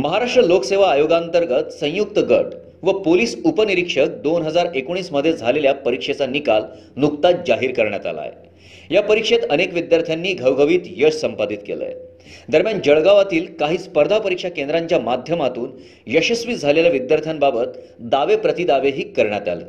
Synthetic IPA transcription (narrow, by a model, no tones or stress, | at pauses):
məɦaɾaʂʈɾəlokseʋ̤aːjoɡant̪əɾɡət̪sə̃juk̚t̪əɡə̰ʈ | ʋəpoliːsupəniɾikʂək̚d̪onɦəd͡zaɾekoɽ̃iːsməd̪ʱːjed͡zʱaleljapəɾikʂet͡sanikal | nuk̚t̪at̪̚d͡ʑaɦiːɾkəɾɳja̰t̪a̰la̰jḛ | japəɾikʂet̪ənekʋid̪jaɾt̪ʰjanːiːɡʱəwɡʱəʋiːt̪jəʂsəmpad̪it̪kḛlə̰j | d̪əɾmjand͡ʑəɭɡaʋat̪iːlkaɦiːspəɾd̪ʱapəɾikʂakend̪ɾaɲt͡ɕjamad̪ʱjəmat̪uːn | jəɕəsʋiːd͡zʱaleljaʋid̪jaɾt̪ʰjambabət̪ | d̪aʋepɾət̪id̪aʋeɦiːkːəɾɳ̃ja̰t̪a̰lḛ